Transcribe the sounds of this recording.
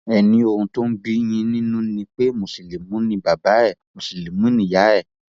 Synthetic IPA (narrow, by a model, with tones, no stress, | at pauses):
ɛ˨nĩ˧o˧˨hũ˧to˦n̩˦ɡ͡bi˦j̃ĩ˧nĩ˦nũ˦nĩ˧k͡pe˦mo˨si˨le˨mũ˨˦nĩ˧ba˨ba˨˦ɛ˦˨mo˨si˨le˨mũ˦nĩ˦˨ja˨˦ɛ˦˨